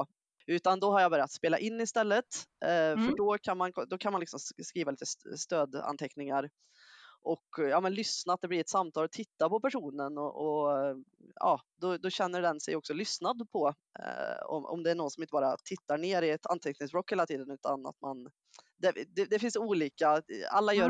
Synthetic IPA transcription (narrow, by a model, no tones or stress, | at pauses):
ʉ̟ːt̪and̪ɔɦaɾjabœɾɪjat̪speːlaʔɪnːɪst̪ɛlːət̪fœɖɔkʰanmankʰɔd̪ɔkʰanmanɪksɔmskɾiːvaliːt̪əst̪øːd̪a̰nt̪ʰɛknɪŋaɾ | ʔɔkːjɑːmɛnlʏsnaat̪d̪ɛblɪɾɛt̪samt̪ʰɑːlɔt̪ʰɪt̪ːapɔpæʂuːnənɔʔɔ | ɑ̰ːd̪ɔd̪ɔɕɛnːəɖɛnsɛjɔksɔlʏsnad̪pʰɔ | ɔ̰mʔɔ̰md̪ɛæɳɔːɡnsɔmɪnt̪əbɑːɾa̰t̪ʰɪt̪ːaɳeːɾɪɛt̪ʰa̰nt̪ʰɛknɪŋsbɾɔkːheːlat̪ʰiːd̪ənʉːt̪ʰana̰t̪man | d̪ɛd̪ɛd̪ɛfɪnsuːliːkaa̰lːajœː